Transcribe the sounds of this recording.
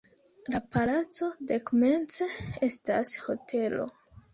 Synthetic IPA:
lapalat͡so̞dekome̞nt͡see̞stasho̞tʰe̞lo̞̰

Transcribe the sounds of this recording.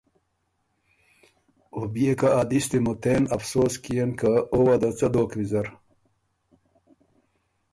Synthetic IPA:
obijekaːd̪ist̪imut̪eːnɐfsoːskijenkaowɐd̪ɐt͡sɐd̪oːkʋizɐɾ

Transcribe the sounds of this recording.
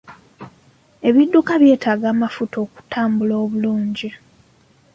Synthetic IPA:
e̞βidːukaβje̞ːtʰaːɡaːmafutʰo̞ːku̥tʰaːmbuloːβuluːɲɟi

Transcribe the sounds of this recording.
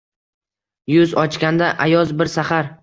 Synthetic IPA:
jʊzɒt͡ʃkʲand̪aʔajɒzbɪɾsaχaɾ

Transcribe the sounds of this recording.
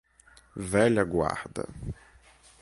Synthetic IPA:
vɛlʲaɡʷa̰ːħda̰

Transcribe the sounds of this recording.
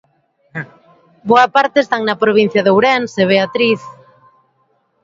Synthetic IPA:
boɐpaɾt̪eːst̪aŋnɐpɾoβin̟θjɐðowɾɛnseβ̞eat̪ɾiθ

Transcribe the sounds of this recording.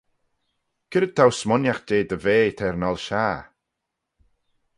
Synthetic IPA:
kʰɪɾəd̪̚t̪ʰawsmɔnjaxdeːd̪əveːt̪ʰɛɾnalʃaː

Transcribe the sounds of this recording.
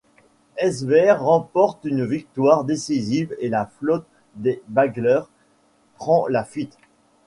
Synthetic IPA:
ɛzbɛʁːɑ̃pɔʁt̪ynvik̚t̪waʁd̪esizivelaflɔt̪̚ | d̪ebaɡlœʁ | pχɑ̃lafɥit̪

